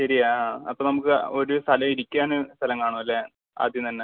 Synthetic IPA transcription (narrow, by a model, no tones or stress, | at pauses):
ɕɐɾiaːɐpːoːnɐmukːɨo̞ɾust̪ʰɐlɐiɾikʲːaːɳɨst̪ʰɐlɐmkaːɳuɐlːe | a̰ːd̪jɐmt̪ɐnːe